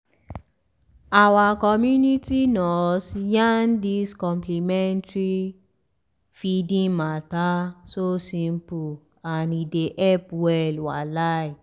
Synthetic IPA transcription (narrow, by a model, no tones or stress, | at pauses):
awakɔmjunitinɔsjandiskɔ̃mplimɛ̃ntɹi | fidĩmatasosĩmpu | anideʔɛpwɛlwalaj